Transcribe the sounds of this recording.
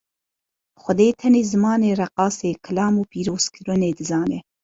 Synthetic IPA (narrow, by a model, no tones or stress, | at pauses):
xʷʊd̪eːt̪ʰɛneːzɨmɑːneːrɛqɑːseːkʰɨlɑːmuːpiːɾoːz̥kʰɨɾɨneːd̪ɨzɑːnɛ